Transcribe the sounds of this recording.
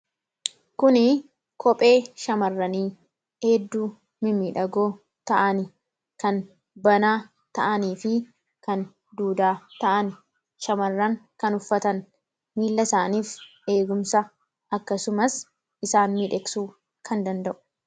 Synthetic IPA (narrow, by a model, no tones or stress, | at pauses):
kʊnɪ | kʰɔpʼe̞ːʃɐmɐrːɐniː | eːd̪ːuː | mɪmiːᶑɐɡoː | t̪ɐʔɐnɪ | kɐn | bɐnaː | t̪ɐʔɐniːfɪ | kɐn | d̪uːd̪aːt̪ɐʔɐnɪ | ʃɐmɐrːɐŋkɐnʊfːɐt̪ɐn | miːlːɐsaːniːfʔe̞ːɡʊmsɐ | ʔɐkːɐsʊmɐs | ʔɪsaːnmiːᶑɛksuː | kʰɐnd̪ɐnd̪ɐʔʊ̥